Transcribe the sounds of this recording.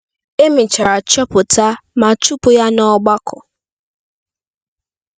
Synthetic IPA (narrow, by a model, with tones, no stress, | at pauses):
e˦mɪ˨t͡ʃa˨ɾa˨t͡ʃɔ˦pʊ˨ta˦ma˨t͡ʃu˦pʊ˨ja˦nɔ˦ɡ͡ba˦kʰʊ˨